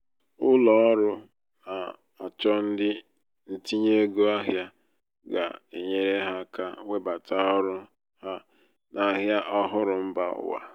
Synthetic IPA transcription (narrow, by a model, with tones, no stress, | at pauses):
ʊ˦lɔ˨˦ɔ˦ɾʊ˦ | na˨ | a˨t͡ʃɔ˦n̩˦dɪ˦ | n̩˦ti˦ɲe˦ɡo˦a˦ɦja˦ | ɡa̰˨e˨ɲe˦ɾe˦ɦa˦ka˦we˦ba˨ta˦ɔ˦ɾʊ˦ | ha˦ | nʔa˨ɦja˦ʔɔ˦ɦʊ˦ɾʊ˨m̩˦ba̰˦ʊ̰˨wa̰˨